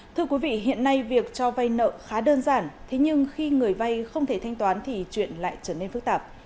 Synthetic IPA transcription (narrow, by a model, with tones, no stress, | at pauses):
t̪ʰɨ˧əkwi˨˦vḭ˧˨ɦḭ˧˨ənːa˧jvi˨˩ək̚t͡ɕɔ˧va˧jnə̰ː˧˨xaː˨˦ɗəː˧nzaː˧˩nt̪ʰe˨˦ɲɨ˧ŋxi˧ŋɨ˨˩əjva˧jxə˧wŋ͡mt̪ʰe˧˩t̪ʰa˧jŋ̟t̪waː˨˦nt̪ʰi˨˩t͡ɕwḭ˧˨ənla̰ː˧˨jt͡ɕəː˧˩ne˧nfɨ˦˥k̚t̪aː˨˩p̚